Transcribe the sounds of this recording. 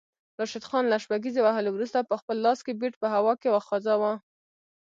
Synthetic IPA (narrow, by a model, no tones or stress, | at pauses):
ɾɑʃɪd̪xɑnlaʃpaɡizewaɦəlewɾust̪apəxpəlːɑskebeʈ̚pəɦawɑkewaxɑzɑwa